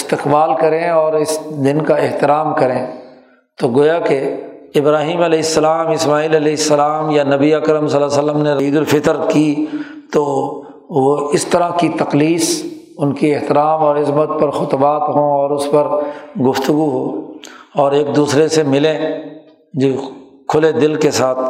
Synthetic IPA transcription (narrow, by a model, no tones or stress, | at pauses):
ɪst̪ɪqbaːlkɐɾẽɔːɾɪsd̪ɪnkaɪɦt̪ɪɾaːmkɐɾẽː | t̪oɡoːjakeɪbɾaːɦiːmɐlɛːɪsːɐlaːmɪsmaːiːlɐlɛːɪsːɐlaːmjanɐbiəkɾəmsɐlasələmneɾɐiːd̪ʊlfɪk̪əɾkit̪oː | ʋoɪst̪ɐɾakit̪ɐqliːs | ʊnkiɪɦt̪ɪɾaːmɔːɾɪzmət̪̚pɐɾxʊt̪baːt̪ɦõɔːɾʊspɐɾɡʊft̪ʊɡuɦoːɔːɾeːk̚d̪uːsɾesemɪlẽ | d͡ʒoː | kʰʊled̪ɪlkesaːt̪̚ʰ